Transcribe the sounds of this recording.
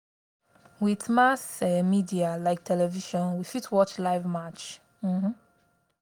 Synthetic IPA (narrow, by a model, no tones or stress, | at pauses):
wiθmasɛmidialaɪk̚tʰɛlɛviʃɔ̃nwifitʰwɔt͡ʃlaɪvmat͡ʃ | m̩h̩